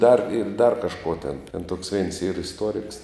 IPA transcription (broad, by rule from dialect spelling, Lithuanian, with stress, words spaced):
dɐr ɪr dɐr kɐʃˈkoː tʲeːn tʲɛn toːks ʋʲɛɪns iːr ɪsˈtuɔrʲɪks